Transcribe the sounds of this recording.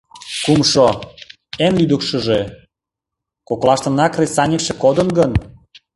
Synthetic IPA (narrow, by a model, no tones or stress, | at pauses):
kumʃo | enlyd̪əkʃəʒe | koklˠɑʃt̪ə̆nɑkresɑnʲekʃĕkod̪ənɡən